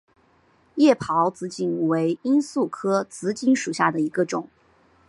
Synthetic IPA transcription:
jɛ˥˩pʰɑ˧˥ʊt͡sɹ̩˧˥t͡ɕi˨˩nwe˧˥ɪi˥nsu˥˩kʰɤ˥t͡sɹ̩˧˥t͡ɕi˧˥nʂu˨˩ɕja˥˩d̪ə˩i˧˥ɡə˧ʈ͡ʂʊ˨˩˦ŋ

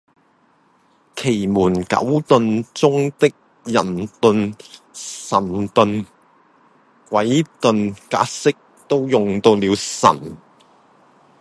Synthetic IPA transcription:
kʰe˨˩jmuː˨˩nkɐ̰˨˥wt̪ɵ˨˧nt͡sʊ˥ŋt̪ɪ˥k̚ | jɐ˨˩nt̪ɵ˨˧n | sɐ˨˩nt̪ɵ˨˧n | kwɐ˨˥jt̪ɵ˨nkaː˨˥t̚sɪ˥k̚ | t̪o˥wjʊ˨ŋt̪o˧wliː˨˧wsɐ̰˨˩n

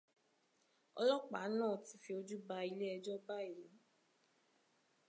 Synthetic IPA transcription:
ɔ̰˧lɔ˦k͡pa̰˨˦nãː˦˨ti˧˦fi˧o˧d͡ʒu˦ba˧i˧le˦ɛ˧d͡ʒɔ˦ba˦i˨le˨˦

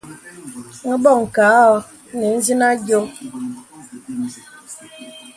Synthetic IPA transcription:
ŋ̩˦bɔ˦˨ŋ̩˨kaː˨˦ɔ˨˦ | ne˨˦n̩˦zi˦na˦ɡjo˦

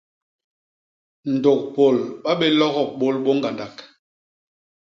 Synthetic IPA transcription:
n̩˨do˨k̚po˨lɓa˦ɓe˦lɔ˦ɣɔ˦˨ɓo˦˨lɓo˦ŋ˦ɡa˨nda˨k

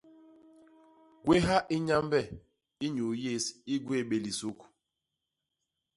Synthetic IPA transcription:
ɡ̥we˦ɦa˦ʔi˦ɲa˦mbɛ˦˨ | i˦ɲu˨je˦˨si˦ɡwe˦˨ɓe˨li˨su˦k

